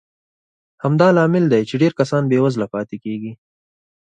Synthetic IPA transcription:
hamd̪ɑlɑːmɪld̪ajt͡ʃeɖeɾkasɑːnbewazlapɑːt̪ekeːɡi

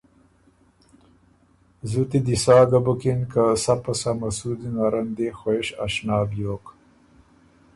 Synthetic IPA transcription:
zut̪id̪isaːɡabukinkasapɐsamɐsud̪inaɾɐnd̪exoeʃa̰ʃnaːbjoːk

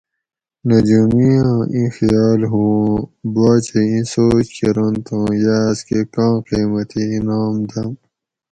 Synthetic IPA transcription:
nɐd͡ʑumiãːʔĩxijaːlɦũbaːt͡ɕeĩsoːt͡ɕkʰeɾont̪ʰõːjaːskekãːqiːmɐt̪ĩnaːmd̪ɐm

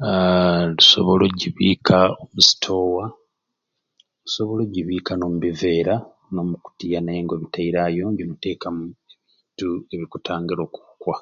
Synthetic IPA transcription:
luso̞̰βo̞loɟiβiːkaomusi̥tʰo̞ːwa | luso̞βo̞lo̞ɟiβiːkano̞ːmuβive̞ːɾa | no̞ːmuku̥tijanajeŋɡo̞βitaiɾaːjo̞ɲɟomute̞ːkamueβiːtue̞βikutʰaːŋɡiɾo̞ːku̥ukwa

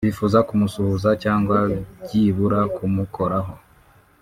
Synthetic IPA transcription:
βifuːzakumusuhuzacaːŋɡwaɟiːβuɾakumukʰo̞ɾaɦo̞

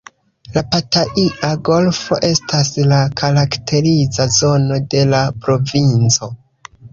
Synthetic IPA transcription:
lapataʔiʔaɡo̞lfo̞ʔe̞staslakʰaɾaktʰe̞ɾizazo̞no̞de̞lapɾo̞vint͡so̞

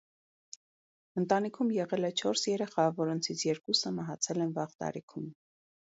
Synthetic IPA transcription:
ənt̪ɑnikʰumjɛʁɛlɛt͡ʃʰɔɾsjɛɾɛχɑvɔɾɔnt͡sʰit͡sʰjɛɾkusəmɑɦɑt͡sʰɛlɛnvɑʁt̪ɑ̰ɾikʰum

